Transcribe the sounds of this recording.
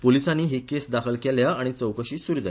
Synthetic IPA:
polisãnːiːɦekesd̪akʰəlkeljaaɽ̃it͡səwkəɕiːsuɾd͡za

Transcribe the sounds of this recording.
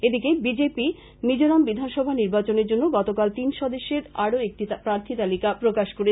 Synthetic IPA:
ed̪ikebid͡ʑepi | mid͡ʑoɾambid̪ʱanʃɔbʱaniɾbat͡ɕoneɾd͡ʑonːoɡɔt̪okalt̪inʃɔd̪oʃːeɾaɽoek̚ʈipɾaɾt̪ʰit̪alikapɾokaʃkoɾe

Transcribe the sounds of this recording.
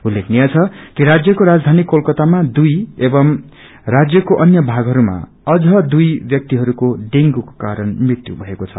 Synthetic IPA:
ulːekʰnijat͡sʰʌkiɾad͡zjʌkoɾad͡zd̪ʱanikːolkʌt̪amad̪ujebʌm | rad͡zjʌkoʔʌnjʌbʱaɡɦʌɾuma̰ | ʌd͡zʌd̪ujbjʌk̚t̪iɦʌɾukoɖeŋɡuko̥kaɾʌnmrit̪jubʱʌekot͡sʰʌ̰

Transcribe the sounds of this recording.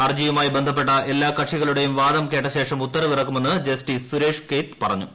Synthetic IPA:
ɐrd͡ʑijumaːjibend̪ʱɐp̬ːe̞ʈːɐʔe̞lːaːkɐʂiɣɐɭuɽe̞jumʋaːd̪ɐmke̞ːʈːɐɕe̞ːʂɐmut̪ːɐɾɐʋirɐk̬ːume̞nːɨd͡ʑesʈisuɾeːʂkeːt̪pɐrɐɲːu

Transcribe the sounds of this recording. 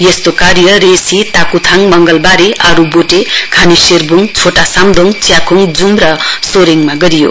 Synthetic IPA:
jest̪okaɾjʌɾesit̪akut̪ʰaŋmʌŋɡʌlbaɾeʔaɾuboʈekʰaniseɾbuŋt͡sʰoʈasamd̪ʱoŋt͡sjakʰuŋd͡zumɾʌsoɾiŋmaɡʌɾijo̰

